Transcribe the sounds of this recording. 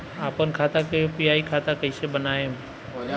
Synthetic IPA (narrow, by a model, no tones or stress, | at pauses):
aːpənkʰaːt̪ãkepiaːikʰaːt̪akəisebənaːe